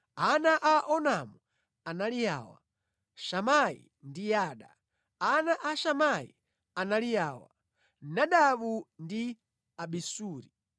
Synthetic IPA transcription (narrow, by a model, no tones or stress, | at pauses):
anaʔaʔɔnamu | analija̰ːwa̰ | ʃamaḭ | ndijaːɗa | anaʔaʃamaḭ | analijaːwa̰ | naɗaɓundi | aɓisuːɾi